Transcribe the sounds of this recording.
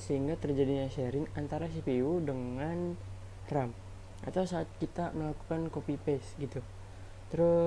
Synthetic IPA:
səɦiŋɡat̪ərd͡ʒadiɲaʃɛɾɪŋant̪aɾasipiudəŋan | t̪ɾam | ʔa̰t̪awsaːt̪̚kit̪aməlaku̥kankopipɛsɡit̪u | t̪əɾʊ

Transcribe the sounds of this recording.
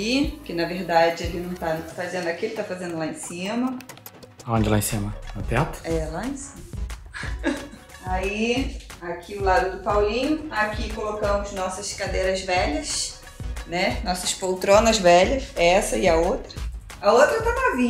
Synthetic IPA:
ikɪnɐveɾd̪ad͡ʒɪelɪnɐ̃w̃t̪afazẽnd̪ʊakielɪt̪afazẽnd̪ʊlaẽsĩmɐ | õd͡ʒɪla̰ẽsĩmɐɐt̪ɛt̪ɐ̥ɛlaẽsĩmɐ | aiakʰiʊlad̪ʊd̪ʊpawlĩɲʊakikolokɐ̃mʊznɔsɐskad̪ejɾɐzvɛʎɐs | nɛnɔsɐspowt̪ɾõnɐzvɛʎɐsɛsɐɪɐowt̪ɾɐ | aowt̪ɾɐt̪ap̪avĩ

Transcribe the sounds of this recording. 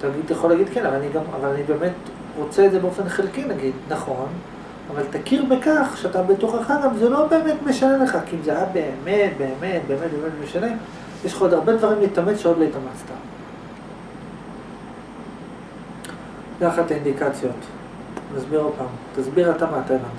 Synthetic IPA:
t̪aɡidt̪jeχolːaɡid̪kenavalaniɡama̰valanibe̞ːme̞t | ʁo̞t͡seedze̞beo̞fe̞nχilkinaɡid̪naχo̞n | avaltakiʁbekaχʃeatabetuχaχaʁavazelo̞be̞ːme̞tme̞ʃanele̞χakiimzeaabe̞ːmet̚be̞ːme̞t̚be̞emet̚bemetme̞ʃane̞ | jeʃχaod̪aʁbe̞d̪vaʁimliːtamet͡sʃeodloitamat͡st̪a | kaχat̪aind̪ikat͡sjo̞t | nazbiʁopamtazbiʁatamaːtama

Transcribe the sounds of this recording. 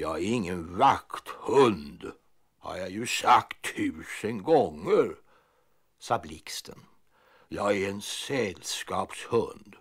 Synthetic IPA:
jɑːɡæɾɪŋːənvakt̪hɵnd̪ | ha̰ɾjɑjɵsakt̪ʰːʉ̟ːsənɡɔŋːəɾ | sɑːblɪkst̪ʰən | jɑːɡæɾɛnsɛlskɑ̰ːpshɵnd̪

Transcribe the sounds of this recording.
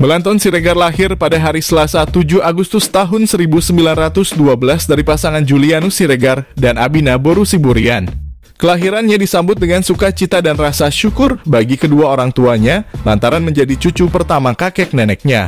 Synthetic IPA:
məlant̪ɔnsiɾeɡarlaɦɪrpadaɦaɾisəlasat̪ud͡ʒuaɡust̪ʊst̪aɦʊnsəɾibusəmbilanrat̪ʊsduabəlasdaɾipasaŋand͡ʒulianusiɾəɡardanabinaboɾusibuɾian | kəlaɦiɾanɲadisambʊt̪̚dəŋansukat͡ʃit̪adanrasaʃukʊrbaɡikəduaoɾaŋt̪uaɲalant̪aɾanməɲd͡ʒadit͡ʃut͡ʃupərt̪amakakɛk̚nɛnɛk̚ɲa̰

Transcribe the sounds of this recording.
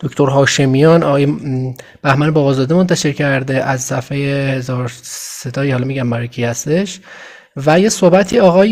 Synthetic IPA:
d̪̥okʰt̪ʰoɾɦɒːʃemijɒnɒɣɒːjeb̥æhmænebɒːbɒzɒːd̪emont̪ʰæʃe̞ɾcʰæɾd̪e̞ʔæzsæfhejehezɒːɾsed̪ɒːihɒːlɒmiɟæmbæɾecʰihæst̪e̞ʃ | væje̞sohbæt̪ʰiːɒːɣɒːj

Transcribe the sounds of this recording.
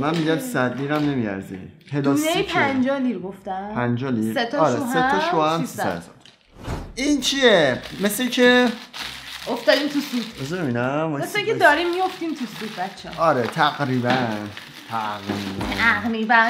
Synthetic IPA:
mænmiɟænsæd̪liːɾæmnemiæ̰ɾzḭhelɔnejpʰænd͡ʒɒːliɾɡoft̪æpʰænd͡ʒɒːliɾset̪ʰɔɾeuɦet̪ːɔʃoæmsisæ̰zɒ̰d̪ | int͡ʃʰiemeslecʰe | oft̪ɒːd̪iːmt̪ʰusud̪̥ezebeminæmmeseikʰed̪ɒːɾimːijoft̪imt̪ʰusuːd̪̚bæt͡ʃʰːeɒɒɾet̪ʰæɡɾiːbæn | t̪ʰæɣimæɣmiːbæn

